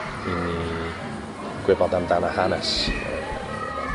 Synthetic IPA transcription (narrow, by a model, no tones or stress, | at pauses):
ini | kwepãnt̪ant̪anahanas